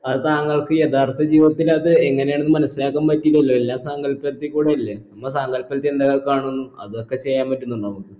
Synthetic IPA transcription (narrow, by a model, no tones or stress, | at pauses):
ɐt̪aːŋːɐɭkɨjet̪ʰaːrt̪ɐd͡ʑiːʋɐt̪ːilɐðɨeŋːɐnejaɳunːɨmɐnɐsːilaːkːaːmpɐtːiilːɐilːoelːaːmsaŋɡɐlpːɐɾɐt̪ːikːuːɽeɐlːenɐmːɐɭsaːŋɡɐlpːɐlɐt̪ːiend̪aɣɐɭkaːɳonːuɐ̰ðo̞kːe̞t͡ɕejːaːmpɐtːunːuɳɖaːmukːɨ